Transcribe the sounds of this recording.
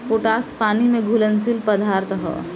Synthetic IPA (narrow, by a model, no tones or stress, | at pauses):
poːʈaːspaːnimẽɡʱʊlənsilpəd̪aːɾt̪ɦɔ̰ː